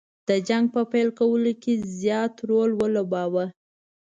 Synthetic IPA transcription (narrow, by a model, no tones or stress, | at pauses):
d̪̥əd͡ʒaŋɡ̚pəpajlkawəlokezjɑt̪ɾolwəlobɑwə